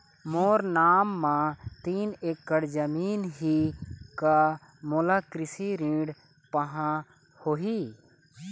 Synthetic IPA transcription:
moːɾnaːmːãt̪iːneːkːəɽd͡ʒəmiːnɦika | molakɾɪsiɾĩːɖ | pəɦã | hoːɦiː

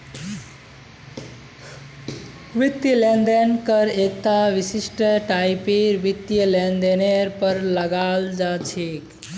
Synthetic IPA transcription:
ʋit̪jəlend̪enkəɾek̚t̪aʋisisʈəʈajpeɾʋit̪jəlend̪eneɾpəɾləɡald͡ʒat͡ʃʰek

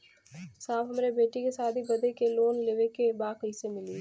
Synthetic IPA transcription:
saːfɦɐmːɾebeːʈikesaːd̪ʱibɐd̪ʱekeloːnleːʋekebaːkisemɪliː

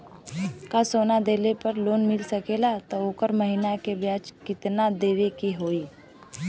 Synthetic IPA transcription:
kasoːnad̪eːlepəɾloːnmɪlsəkelat̪ooːkəɾməɦɪnakebjaːt͡ʃkɪt̪nad̪eːʋekiɦoːiː

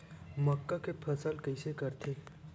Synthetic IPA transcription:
məkːakepʰəsəlkəɪsekəɾt̪ʰe

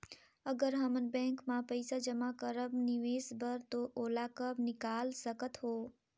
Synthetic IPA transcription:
əɡəɾɦəmənbɛ̃ŋkmãpəjsad͡ʒəmakəɾəbniʋesbəɾt̪oʔolakəbnɪkalsəkət̪ɦo

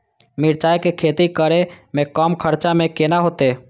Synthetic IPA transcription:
miɾt͡ʃajkekʰet̪ikəɾemẽkɔmkʰəɾt͡ʃamẽkenaɦoːt̪e

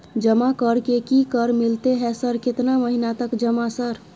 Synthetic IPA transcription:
d͡ʒəmakəɾkekikəɾmilt̪eɦɛsəɾket̪naməɦinat̪əkd͡ʒəmasəɾ

